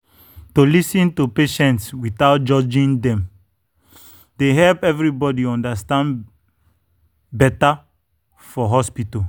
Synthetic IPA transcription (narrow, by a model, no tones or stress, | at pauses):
tolisĩntupeʃɛ̃ntswiθaʊt̚d͡ʒɔd͡ʒĩndɛ̃m | deɦɛlpɛvɹibɔdiɔ̃ndastãn | bɛta | fɔɦɔspitɔ